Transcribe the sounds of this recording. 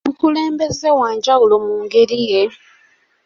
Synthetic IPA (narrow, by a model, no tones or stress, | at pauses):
mukule̞ːmbe̞zewaːɲɟaɣulo̞muːŋɡeɾije̞